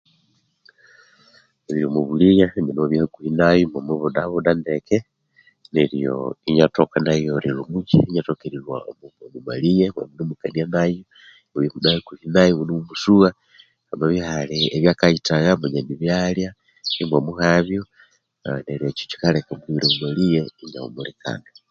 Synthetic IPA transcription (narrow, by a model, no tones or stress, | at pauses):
eɾilomuβuliɲaɲenoβjihakuhinajomomweβudaβudandeke | neɾijo̰iɲatokanajoɾilumut͡ʃiɲatokeɾiɾwa̰omumomuma̰lijema̰munumukanianajo | muβjimudahekuhinajomunumumusuɣa | amaβihaleeβjakaitaɣamoɲaniβjalja | imwomuhaβjo | neɾiet͡ʃo̥t͡ʃi̥kalekomuiɾomumalijeiɲa̰ṵmulika̰na